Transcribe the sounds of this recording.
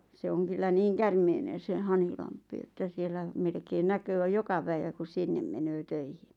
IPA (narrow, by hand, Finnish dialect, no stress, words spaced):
se oŋ kylːæ niːŋ kærmeinen̞ se hɑnhilɑmpˑi etːæ sielˑæ melkein nækøː jokɑ pæiʋæ ku sinːem menøː tøihin̥